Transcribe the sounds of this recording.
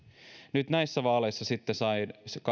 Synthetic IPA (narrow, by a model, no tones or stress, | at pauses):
nyt̪næisːæʋɑːleisːɑsit̪ːesɑinskɑ